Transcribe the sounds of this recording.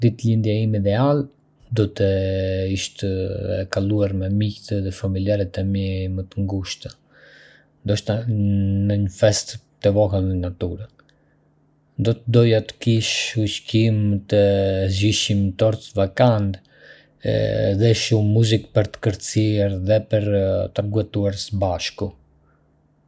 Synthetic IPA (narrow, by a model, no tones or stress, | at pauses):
d̪it̪lind̪jaimid̪ɛal | d̪ɔt̪əiʃt̪əkaluaɾmɛmikt̪ðɛfamiljaɾɛt̪ɛmjɛmət̪əŋɡuʃt̪ə | nd̪ɔʃt̪anəɲəfɛst̪ː | ɛvɔɦəlnɛnat̪uɾa | nd̪ɔt̪əd̪ɔjat̪ə̥kiʃut͡ʃcimt̪əziʃimt̪ɔɾt̪vakant̪ | ðɛʃumːuzik̚pəɾt̪ə̥kəɾt̪siɛɾðɛpəɾt̪əɾɡuɛt̪uaɾsəbaʃku